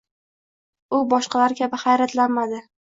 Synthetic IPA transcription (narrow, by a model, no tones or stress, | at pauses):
ʊbɒʃqɑlaɾkʲʰabɪχajɾat̪lanmad̪ɪ